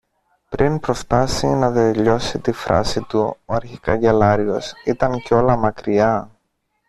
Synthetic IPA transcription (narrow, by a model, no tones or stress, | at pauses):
pɾʔinpɾo̞st̪ɐsinɐðeʎo̞sit̪ifɾɐ̰sit̪uoɐɾçikɐ̰ʝelɐɾio̞sit̪ɐnceo̞lɐmɐkɾiɐ